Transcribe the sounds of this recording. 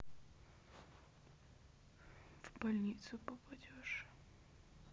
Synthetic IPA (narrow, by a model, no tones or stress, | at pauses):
v̥bɐlʲnʲit̪sʊpəpɐdʲoʂ